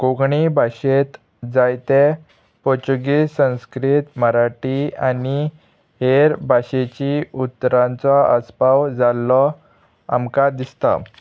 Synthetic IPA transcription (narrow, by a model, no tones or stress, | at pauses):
koɡɳibʱaɕet̪ | d͡zajt̪e | pɔt͡ɕuɡisə̃w̃skɾit̪məɾaʈiani | ɦeɾbʱaɕet͡ɕiut̪ːɾãnt͡sɔəspawd͡zalːɔ | a̰mkad̪ist̪a̰